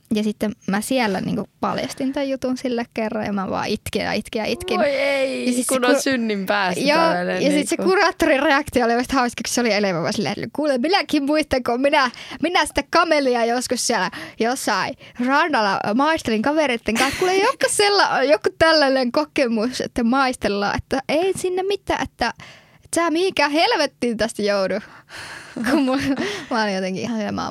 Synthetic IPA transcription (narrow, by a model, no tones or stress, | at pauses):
jɑsit̪ːemmæsiælːæ̰nḭːŋkupɑ̰ljɑ̰st̪int̪æjjut̪unsilːækkerːɑ̰jɑ̰mæʋɑ̰ːʔit̪kḭjɑ̰it̪kiɑ̰it̪kieijɑsit̪kenosynːimpæːsjoːjɑsit̪sekurɑːt̪ːorireɑkt̪iooliʋɑst̪hɑˑuskɑksseolieleʋækɑ̰silːæ̰lːykuːlemminækimmuist̪ɑŋkomminæminæsi̥t̪ːækɑmeliɑjoskussiælæjosːɑirɑndɑlɑ̰mɑist̪eliŋkɑʋeˑret̪ːeŋkɑːˑskuːleijokːɑsselːɑjokːut̪ælːæneŋkokemusḛt̪ːæmɑist̪elːɑ̰ːʔet̪ːæeˑinsinːemmit̪ːæ̰ʔet̪ːæ | tæːmihiŋkæːhelʋet̪ːiːnt̪æst̪joudu | kummumɑolijot̪eŋkiʔihɑnsilæmɑ̰